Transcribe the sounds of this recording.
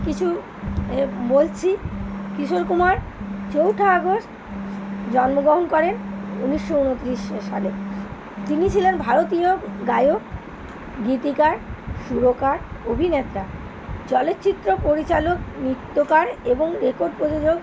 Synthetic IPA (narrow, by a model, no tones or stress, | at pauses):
kit͡ɕʰu | bolt͡ɕʰikiʃoɾkumaɾ | t͡ɕowʈʰaaɡosʈ | d͡ʑɔnmoɡɾoɦonkɔɾenuniʃːounot̪ːɾiʃʃale | t̪init͡ɕʰilenbʱaɾot̪ioɡajok | ɡit̪ikaɾʃuɾokaɾobʱinet̪ɾa | t͡ɕɔlet̪ːt͡ɕit̪ːɾopoɾit͡ɕaloknit̪ːokaɾeboŋɾekoɾɖpɾod͡ʑod͡ʑoɡ